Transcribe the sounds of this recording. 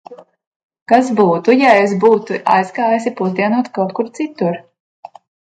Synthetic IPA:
kasbuːt̪ujaesbuːt̪uʔa̰jskaːjasipuzd̪iɛnuɔt̪kawt̪̚kuɾt̪sit̪uɾ

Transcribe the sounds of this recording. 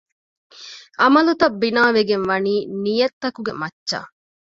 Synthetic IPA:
ɐmɐlut̪ɐbːinaːʋeɡenʋɐniːnijɐt̪ːɐkuɡemɐtːʃa̰ː

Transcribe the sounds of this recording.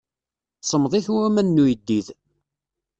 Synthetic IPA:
sˤəmðˤiçuɾæmænːujəd̪ːið

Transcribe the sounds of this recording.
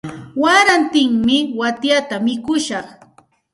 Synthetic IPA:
waɾant̪ɪŋmɪwat̪jat̪amɪkʊʃɑχ

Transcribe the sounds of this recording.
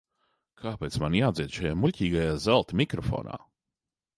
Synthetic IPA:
kʰaːpeːt̪smanjaːd̪ziɛd̪ʃajaːmulʲciːɡajaːzalˠt̪mʲikɾɔfo̰ːna̰ː

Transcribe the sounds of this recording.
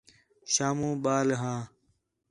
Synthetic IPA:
ʃaːmũːɓaːlɦãː

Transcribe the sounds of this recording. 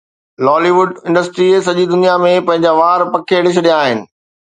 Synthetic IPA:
lɔːliʋʊɖɪ̃ɳɖəsʈɾies̬ɐʄid̪ʊnijamẽpɐ̃ɦɪ̃ɲd͡ʑaʋaːɾpɐkʰeɽɪʃ̬ɗijaːɦɪnɪ̆

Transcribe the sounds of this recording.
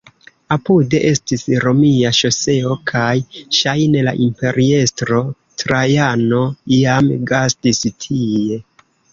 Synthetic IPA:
apude̞ʔe̞stisɾo̞miaʃo̞se̞o̞kʰajʃajne̞la̰ʔimpe̞ɾie̞stɾo̞ | tɾajano̞ijamɡastistʰie̞

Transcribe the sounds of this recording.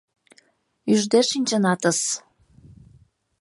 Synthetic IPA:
yʒd̪eʃinʲt͡ɕə̆nɑt̪əs

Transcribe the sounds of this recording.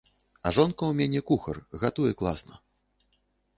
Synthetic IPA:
ɐʐɔnkɐwmʲanʲɛkuxɐrɣat̪ujɛklˠa̰snɐ̰

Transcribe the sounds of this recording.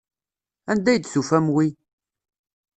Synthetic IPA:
ænd̪æjd̪sufæmwi

